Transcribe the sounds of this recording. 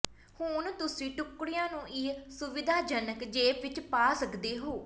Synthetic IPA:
hʊnt̪ʊsĩːʈʊkːɽɪjãːnũːʔɪsʊʋɪd̪aːd͡ʒənəkd͡ʒeːpʋɪt͡ʃpaːsəkd̪eːɦoː

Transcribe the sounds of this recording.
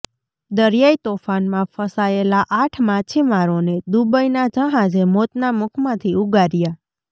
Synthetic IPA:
d̪əɾjait̪ofanmãfəsaelaʔaʈʰmãt͡ʃʰimaɾoned̪ubəjnad͡ʒəɦãd͡ʒemot̪namʊkʰmãt̪ʰiuɡaɾja

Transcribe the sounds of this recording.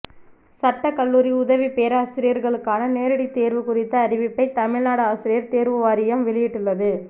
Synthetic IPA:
sɐʈːɐkɐɭːuːɾiʊðɐʋipeːɾaːsɪɾɪjɐɾɣɐɭɯkːaːnɐneːɾɐɽit̪eːɾʋɯkʊɾɪt̪ːɐːɾɪʋɪpːɐɪt̪ɐmɪɻnaːɽɯaːsɪɾɪjɐɾt̪eːɾʋɯʋaːɾɪjɐmʋɛɭɪjɪʈːɯɭːɐðɯ

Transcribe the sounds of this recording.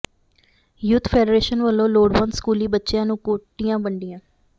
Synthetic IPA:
juːt̪ʰpʰeːɖɾeːʃənʋəlːõːloːɖʋãːnskuːliːbətːʃɪjãːnũːkoːʈːijãːbəɳɖɪjãː

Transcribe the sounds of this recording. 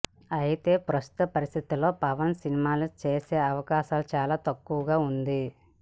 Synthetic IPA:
ɐjit̪e̞ːpɾɐst̪u̥t̪ɐpɐɾist̪ʰit̪ilo̞ːpɐʋɐnsinimaːlut͡ʃe̞ːse̞ːɐʋɐkaːʃaːlut͡ʃaːlaːt̪ɐkːuʋɐɡaːund̪i

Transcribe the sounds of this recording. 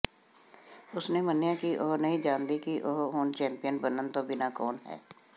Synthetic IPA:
ʊsnemənjãkiʔoːɦnɐɦĩd͡ʒãːnd̪ikiʔoːɦɦoːnt͡ʃɛ̃ːmpɪjənbənənt̪obɪnakɔːnɦɛ̰ː

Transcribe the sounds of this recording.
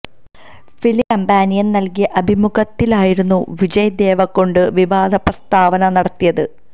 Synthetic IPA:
filikɐmbaːnijɐnnɐlkijɐʔɐbʱimuɡɐt̪ːilaːjiɾunːuʋid͡ʑɐjɐd̪e̞ːʋɐkːo̞ɳɖɨʋiʋaːd̪ʱɐprɐst̪ʰaːʋɐnɐnɐɽɐt̪ːijɐðɨ

